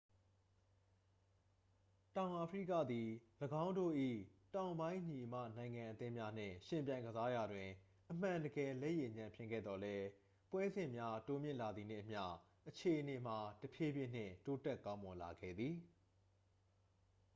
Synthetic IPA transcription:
tã˨ʊ̃ʔa˨pʰə˦ɹḭ˦˨kä̰˦˨d̪i˨ləɡã˦ʊ̃ndo̰˦˨ʔḭ˦˨tã˨ʊ̃mbã˦ɪ̃ʔɲi˨ʔə˨mä̰˦˨nã˨ɪ̃ŋã˨ʔət̪ɪ̃˦mja˦n̥ɪ̰̃˦˨ʃɪ̃˨mp̬jã˨ɪ̃ŋɡəza˦ja˨dwɪ̃˨ | ʔəm̥ã˨ndəɡɛ˨lɛ˦˨ʔje˨ɲã˨mpʰjɪ̰̃˦ŋɡɛ̰˦˨d̪ɔ˨lɛ˦ | pwɛ̃˦zɪ̃˨mja˦to˦mjɪ̰̃˦˨ʔla˨d̪ði˨n̥ɪ̰̃˦˨ʔəm̥ja̰˦˨ | ʔət͡ɕʰe˨ʔəne˨m̥a˨təpʰje˦bjɪ̃˦˨n̥ɪ̰̃˦˨to˦tɛ˦kã˦ʊ̃mɔ˨la˨ɡɛ̰˦˨d̪ði˨

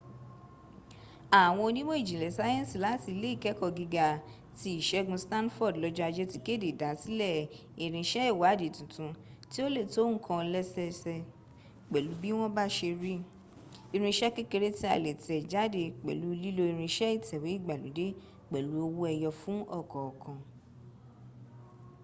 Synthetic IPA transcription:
a˨w̃ɔ̃˧o˧nĩ˦mõ˦i˦˨d͡ʒĩ˨lɛ˨sa˦jɛ̃˦˨si˨la˨˦ti˧le˦i˦˨kɛ˨˦kɔ˦˨ɡi˧ɡa˨ | ti˧˦i˦˨ʃɛ˦ɡũ˧stã˦nfɔ˦˨dlɔ˧d͡ʒɔ˦a˧d͡ʒɛ˦ti˧ke˦˨de˨da˨˦si˦lɛ˦˨ | i˨ɾ̃ĩ˧ʃɛ˦i˦˨wa˨˦de˨tũ˨tũ˧ | ti˦o˦le˦˨to˨˦ŋ̩̃˦kʰã˧lɛ˦sɛ˧sɛ˧ | k͡pɛ˨lu˨˦bi˦w̃ɔ̃˦ba˦ʃe˧ɾi˦ | i˧ɾ̃ĩ˧ʃɛ˦ke˦ke˧ɾe˦ti˦a̰˨le˨tɛ˨d͡ʒa˨˦de˧˨k͡pɛ̰˨lu˨˦˧li˦lo˧i˧ɾ̃ĩ˧ʃɛ˦i˦˨tʰɛ˨we˨˦i˦˨ɡ͡ba˨lu˨˦de˦ | k͡pɛ˨lu˨˦o˧wo˦ɛ˧jɔ˧fũ˨˦ɔ˦˨kɔ˨kʰã˨

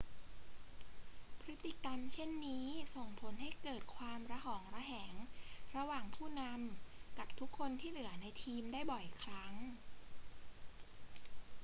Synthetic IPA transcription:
pʰɾɯ˦˥t̪ːi˨˩ka˧mt͡ɕʰe˥˩nːiː˦˥so˨˩ŋpʰo˩˦nɦa˥˩jkɤː˨˩t̪̚kʰwaː˧mɾa˧ɦɔː˩˦ŋɾa˧ɦɛː˩˦ŋɾa˧waː˨˩ŋpʰuː˥˩na˧mka˨˩p̚t̪ʰu˦˥kʰːo˧nt̪ʰiː˥˩nɯ˩˦ɐna˧jt̪ʰiː˧mdaː˥˩jbɔ˨˩jkʰɾa˦˥ŋ

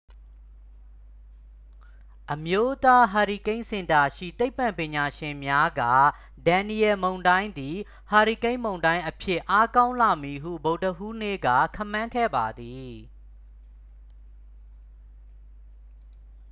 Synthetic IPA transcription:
ʔəmjo˦t̪a˦ɦa˨ɹi˨kẽ˦ɪ̃sɪ̃˨nta˨ʃḭ˦˨t̪e˦ɪpːã˨mpɪ̃˨ɲa˨ʃɪ̃˨mja˦ɡä̰˦˨ | dã˨ni˨jɛ˨mõ˨ʊ̃ndã˦ɪ̃nd̪i˨ | ha˨ɹi˨kẽ˦ɪ̃mõ˨ʊ̃ndã˦ɪ̃ʔəpʰjɪ˦˨ʔa˦kã˦ʊ̃la˨mi˨ɦṵ˦˨bo˨ʊtəʔu˦nḛ˦˨ɡa̰˦˨kʰã̰˦˨mːã˦ŋkʰɛ̰˦˨ba˨d̪i˨

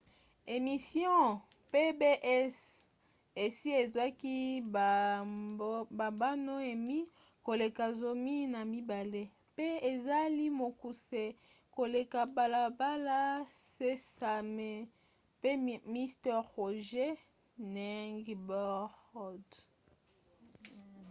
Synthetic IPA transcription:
e˨mi˨sjɔ̃˦ | pe˦be˦ʔɛ˦s | e˨si˦e˨za˦ki˦˨˦ | ba˨ba˦no˦e˨mi˦ | ko˨le˨ka˨zo˨mi˦na˨mi˦ba˨le˦ | pe˦e˨za˦li˦mo˨ku˨se˨ | ko˨le˨ka˨ba˨la˨ba˦la˦se˦sa˨me˦ | pe˦mi˦stɛ˦ʁo˨ʒe˦ | nɛ˦ŋɡbɔ˦ʁɔ˦˨d

